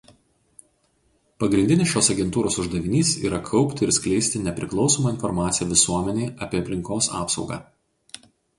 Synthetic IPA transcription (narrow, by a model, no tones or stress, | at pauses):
pɐɡɾʲɪnʲd̪ʲɪnʲɪsjoːsɐɡʲɛnt̪uːɾoːsʊʒd̪ɐʋʲɪnʲiːsḭːɾɐkʰɒʊpʲt̪ʲɪɪɾsʲkʲlʲɛɪsʲt̪ʲɪnʲɛpʲɾʲɪklˠɒʊsoːmɐɪnfɔɾmɑːt̪sʲɪjɛːʋʲɪsuɔmʲɛnʲeːʔɐpʲiːɐpʲlʲɪŋkoːsɑ̰ːpsɒʊɡɑ̰ː